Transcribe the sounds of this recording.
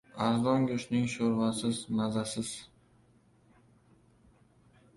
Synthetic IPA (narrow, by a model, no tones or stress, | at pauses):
aɾzɒŋɡʲʊʃnɪŋʃoɾvasɪzmazasɪz̥